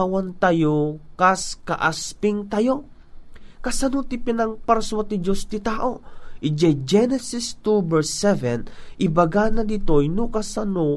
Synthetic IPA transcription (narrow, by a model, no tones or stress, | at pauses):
wɐnt̪ɐjokaskɐʔaspɪŋt̪ɐjo | kɐsɐnot̪ɪpɪnɐŋpɐɾswɐt̪ɪd͡ʒost̪ɪt̪aːʔoʔɪd͡ʒɛjd͡ʒɛnɛsɪst̪ubɛɹsːɛvɛnʔɪbɐɡanɐd̪ɪt̪ojnʊkɐsɐno